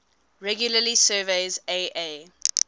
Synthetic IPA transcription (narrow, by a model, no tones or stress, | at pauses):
ɹɛɡjuləlisɜːveɪzeʔe